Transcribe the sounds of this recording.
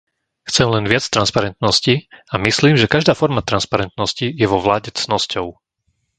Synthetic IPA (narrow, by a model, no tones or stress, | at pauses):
xt͡sɛmlɛnʋɪat͡st̪ɾanspaɾɛnt̪nɔsciamisliːmʒɛkaʒd̪aːfɔɾmat̪ɾanspaɾɛnt̪nɔscijɛʋɔʋlaːɟɛt͡snɔscɔʊ